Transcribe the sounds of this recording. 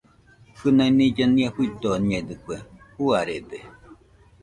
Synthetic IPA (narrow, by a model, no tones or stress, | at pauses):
hɨnanid͡ʒaniehuit̪oɲed̪ɨkʷehuaɾed̪e